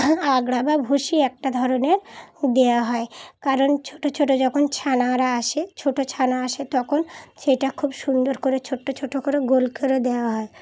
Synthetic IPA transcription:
aɡɽababʱoʃiɛk̚ʈad̪ʱɔɾoneɾd̪eaɦɔekaɾont͡ɕʰoʈot͡ɕʰoʈod͡ʑɔkʰont͡ɕʰanaɾaaʃet͡ɕʰoʈot͡ɕʰanaaʃet̪ɔkʰonʃejʈakʰubʃund̪oɾkoɾet͡ɕʰoʈːot͡ɕʰoʈːokoɾeɡolkeɾod̪eaɦɔe

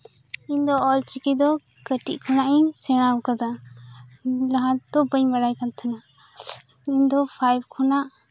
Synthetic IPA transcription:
iɲd̪ɔːlt͡ʃikid̪ɔ | kəʈiʔkʰɔnaʔiɲsɛɽ̃awkad̪a | laɦãd̪ɔbəɲbaɽajkant̪ʰana | iɲd̪ɔpʰajb̚kʰɔnaʔ

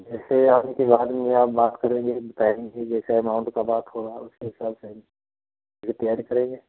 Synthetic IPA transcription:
d͡ʒɛːseɦɐmekebaːd̪mẽjeaːp̚baːt̪kɐɾẽːŋɡebɐt̪aːẽŋkid͡ʒɛːsaɛmãʊ̃ɳʈkabaːt̪ɦoɾaaːɛʊskeɦɪsaːbsem | ekt̪əjaːɾikɐɾẽːŋɡeː

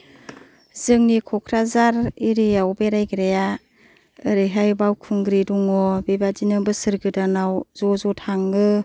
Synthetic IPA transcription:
zɯŋnikʰɔkʰɾazaɾiɾijawbeɾajɡɾeja | ɯɾɯɦajbawkʰɯŋɡɾiduŋɔbebadinɯbɯsɯɾɡɯdanawzɔzɔtʰaŋɯ

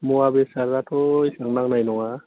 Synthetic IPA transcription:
muabesaɾzatʰɔjsaŋnaŋnajnɔŋa

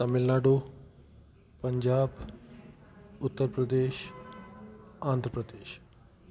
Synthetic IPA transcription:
t̪ɐmɪlnaːɖoː | pəɲd͡ʑaːb | ʊt̪ːəɾpɾəd̪eːʃ | aːnd̪ʱɾəpɾəd̪eːʃ

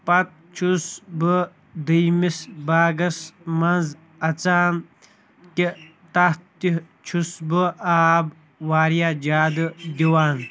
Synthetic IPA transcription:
pɐt̪̚t͡ʃʰusbɨ | d̪ɨjmisbaːɡɐsmɐnz | ɐt͡saːn | ki | t̪ɐht̪i | t͡ʃʰusbɨʔaːb | waːɾijaːd͡ʒaːd̪ɨd̪iwaːn

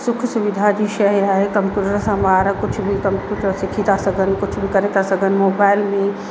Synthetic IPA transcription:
sʊkʰsʊʋɪd̪ʱad͡ʑiʃɐɦaːɦekɐ̃mpjuːʈəɾsãmaːɾkʊt͡ʃʰbʱikɐ̃mpjuːʈəɾsɪkʰit̪asɐɡʱənkʊt͡ʃʰbʱikɐɾet̪asɐɡʱənɪ̆moːbaːɪlmẽ

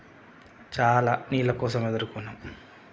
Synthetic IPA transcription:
t͡ʃaːlaːniːlɐkɔːs̬ɐmed̪ɐɾukunːɐm

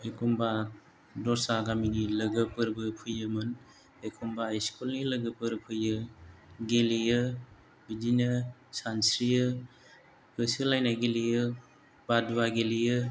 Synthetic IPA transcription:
ekʰumba | dɔɾsaɡaminiləɡɯpɯɾbɯpʰujɯmɯn | ekʰumbaiskulniləɡɯpɯɾpʰɯjɯɡelijɯ | bid͡ʒinɯsansɾijɯ | kɯsɯlajnaɡelijɯ | baduwaɡelijɯ

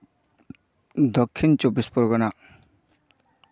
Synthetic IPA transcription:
d̪ɔkʰːint͡ʃɔbispɔɾɡɔna

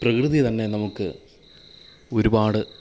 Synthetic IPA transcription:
prɐkrɨðit̪ɐnːe̞nɐmukːɨ | o̞ɾubaːɽɨ

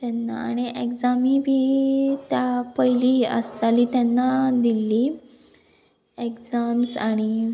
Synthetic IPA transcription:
t̪anːa̰aɽ̃iʔekd͡zamĩbʱiːt̪japəjliɦiʔə̰st̪alit̪janːad̪ilːi | ekd͡zamsaɽ̃i

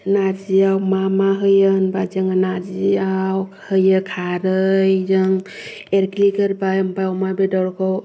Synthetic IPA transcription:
naɾd͡ʒiawmamaɦɯjɯənbad͡ʒɯŋanaɾd͡ʒiaw | hɯjɯkʰaɾɯjzɯŋeɾklikəɾbajəmbawmabedɔɾkʰɔw

